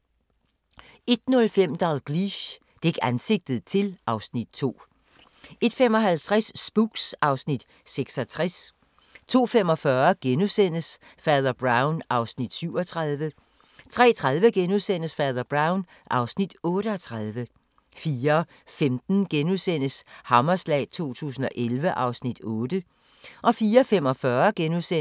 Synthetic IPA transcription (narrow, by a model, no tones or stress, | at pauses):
e̝d̥nɔ̽lfem̰d̥ɑlɡ̥liɕ | d̥eɡ̥ænse̝ɡ̥̚d̥ð̞̩ˠt͡sʰe̝lʔɑ̈ʊsnid̥̚t͡sʰo̝̰ː | e̝d̥femɒ̽ɦælt͡sʰʁasːb̥uɡ̥sɑ̈ʊsnid̥ | seɡ̥sɒt͡sʰʁas | t͡sʰo̝̰ːfem̰ɒ̽fɶɐɡ̥enusen̰əsfɛːðˠɐb̥ʁɑ̈ʊnʔɑ̈ʊsnid̥syʊ̰ɒ̽t͡sʰʁɑðˠʋə | t͡sʰʁɛ̰ːt͡sʰʁað̞ˠʋəɡ̥enuðˠsen̰əsfɛːðˠɐb̥ʁɑ̈ʊn | ʔɑ̈ʊsnid̥ɔ̽ːɾəɒ̽t͡sʰʁɑðˠʋə | fiːɐ | femd̥n̩ɡ̥enuðˠsen̰əshɑ̈mɐslɛ̰ːɪt͡sʰo̝̰ːt͡sʰṵːsn̩ɒ̽ʔelʋəʔɑ̈ʊsnid̥ɔ̽ːd̥ə | ʔɒ̽fiːɐfem̰ɒ̽fɶːɐɡ̥enuse